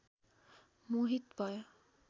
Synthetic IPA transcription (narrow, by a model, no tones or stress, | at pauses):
muɦit̪bʱʌj